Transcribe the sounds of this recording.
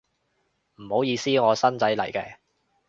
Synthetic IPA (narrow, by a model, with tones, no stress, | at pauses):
m̩˨˩ho˨˥wjiː˨˧siː˥ŋɔː˨˧sɐ˥nt͡sɐ˨˥jlɐ˨˩jkɛː˧